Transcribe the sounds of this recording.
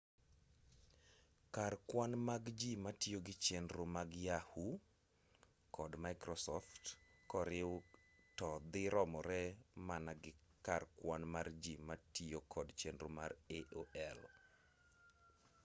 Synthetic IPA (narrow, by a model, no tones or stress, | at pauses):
karkwanmaɡd͡ʒimatjoɡɪt͡ʃɛnɾʊmaɡjahu | kɔdmajkɾɔsɔftkɔɾɪw | tɔd̪ɪɾɔmɔɾɛmanaɡɪkarkwanmard͡ʒimatiokʰɔdt͡ʃenɾʊ̰mareʔoʔɛl